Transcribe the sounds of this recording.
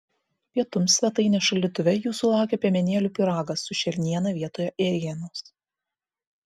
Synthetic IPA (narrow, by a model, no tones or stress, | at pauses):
pʲiɛt̪ʊmsʲʋʲɛt̪ɐɪnʲeːʃɐlʲɪt̪ʊʋʲɛjuːsʊlˠɑˑʊkʲepʲɛmʲɛnʲeɛlʲuːpʲɪɾɑːɡɐsːʊʃʲɛɾʲnʲiɛnɐʋʲiɛt̪oːjɛʔɛɾʲɛnʲoːs